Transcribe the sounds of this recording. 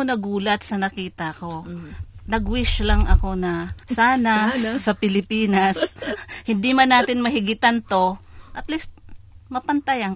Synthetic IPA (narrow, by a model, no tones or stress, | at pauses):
onɐɡuːlɐt̪̚sɐnɐkiːt̪ɐko̞nɐɡwɪʃlɐŋɐko̞nɐsaːnasɐpɪlɪpiːnɐshɪnd̪imɐnːaːt̪ɪnmɐɦɪɡɪt̪ant̪o̞ʔɐt̪list̪̚ | mɐpɐnt̪ɐjɐŋ